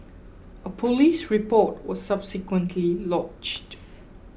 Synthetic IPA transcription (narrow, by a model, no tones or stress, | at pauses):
əpʰolisɹipɔt̚wɔsːab̥sɪkwə̃ntʰlilɔt͡ʃt